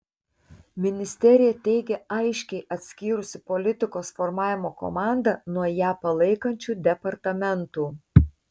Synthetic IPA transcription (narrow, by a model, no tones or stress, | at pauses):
mʲɪnʲɪsʲt̪ʲɛɾʲɪjɛt̪ʲɛɪɡʲɛɐɪʃʲkʲɛɪʔɐt̪ʲsʲkʲiːɾʊsʲɪpɔlʲɪt̪ʲɪkoːsfɔɾmɑːʋʲɪmoːkɔ̰mɑˑnd̪ɐnuɔjæːpɐlˠɐɪkɐnʲt͡ʃʲuːd̪ʲɛpɐɾt̪ɐmʲɛnt̪uː